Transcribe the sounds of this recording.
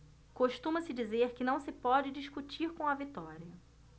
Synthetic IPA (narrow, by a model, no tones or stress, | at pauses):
koʃt̪ũmɐsɪd͡ʒizeɾkɪnɐ̃w̃sɪpɔd͡ʒɪd͡ʒiʃkut͡ʃiɾkõw̃ɐvit̪ɔɾiɐ